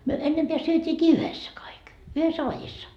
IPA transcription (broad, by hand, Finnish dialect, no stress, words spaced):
myø enːempeæ syøtʲiːkiː yhesːæ kɑik yhesːæ ʋɑjisːɑ